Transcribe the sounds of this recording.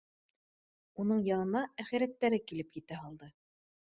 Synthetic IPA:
unɤɴjɑnɤ̆nɑæχiɾæt̪ːæɾɘkilɘpjɘt̪æɦɑlˠd̪ɤ

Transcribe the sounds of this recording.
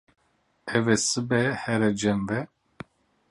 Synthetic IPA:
ɛvɛsɨbɛhɛɾɛd͡ʒɛmvɛ

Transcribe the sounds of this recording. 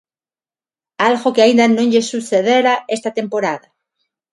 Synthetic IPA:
alɣokeaind̪anõɲʎesuθeðeɾaest̪at̪e̞mpo̞ɾaða

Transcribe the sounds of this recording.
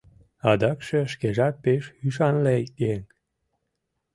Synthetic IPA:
ɑd̪ɑkʃĕʃkeʒɑt̪̚peʃyʃ̬ɑnleeŋ

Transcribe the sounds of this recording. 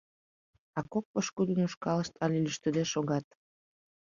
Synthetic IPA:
ɑkok̚pəʃkud̪ənuʃkɑləʃt̪ʰɑlʲelyʃt̪əd̪eʃoɣɑt̪̚

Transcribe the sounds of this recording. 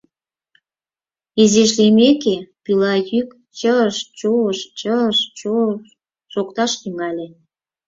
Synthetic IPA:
izeʃ̬limekepilɑjyk | t͡ɕəʃt͡ɕoəʃt͡ɕəʃt͡ɕo | ʃokt̪ɑʃt̪yŋɑlʲe

